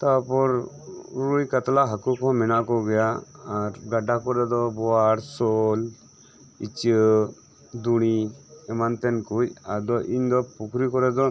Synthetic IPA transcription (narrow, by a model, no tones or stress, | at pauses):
t̪apɔɾ | ɾujkat̪laɦakukɔmɛnakɔɡɛjaːɾɡaɖakɔɾɛd̪ɔbɔaɽsɔl | it͡ʃə | d̪uɽ̃iɛmant̪ɛnkujaɾd̪ɔʔiɲd̪ɔpukʰɾikɔɾɛd̪ɔ